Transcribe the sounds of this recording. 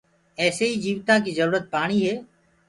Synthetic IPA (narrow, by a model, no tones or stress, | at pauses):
ɛːseːiːd͡ʒiːʋt̪ãːkiːzəɾuːɾət̪̚paːɳ̃iːɦeː